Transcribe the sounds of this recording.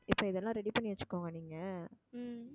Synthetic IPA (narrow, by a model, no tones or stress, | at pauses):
ɪpːoːɪðɛlːãːɾɛɽipɐɳːɪʋɐt͡ʃːɯ̥kːoːŋɡɐniːŋɡɐ